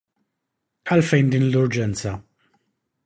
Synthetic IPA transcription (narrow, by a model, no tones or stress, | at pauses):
ɐlfɛjnd̪iːnlʊɾd͡ʒɛnt͡sɐ